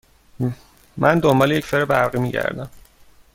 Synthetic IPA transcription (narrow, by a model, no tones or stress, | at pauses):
mʔænd̪ombɒːlejecfeɾebæɾɢiːmiːɟæ̰ɾd̪æ̰m